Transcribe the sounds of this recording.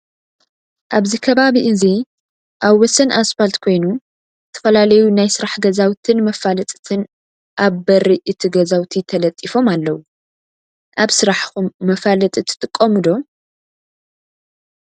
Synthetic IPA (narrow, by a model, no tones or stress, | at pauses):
ʔaβzikʰɐβaβiʔɨzi | ʔaβwɔsɐnʔasfalt̪kʰo̞jnu | zɨt̪ʰɐ̥fɐlalɐjunajsɨɾaħɡɐzawt̪ʰɨnmɐfalɐt̪ʼɨt̪ʰɨn | ʔaβbɐɾiʔɨt̪ʰiɡɐzawt̪ʰit̪ʰɐlɐt̪ʼːifo̞malːɐwu | ʔaβsɨɾaħxumːɐfalɐt̪ʼɨt̪ʰɨ̥t̪ʼɨkʼːɐmɨd̪o̞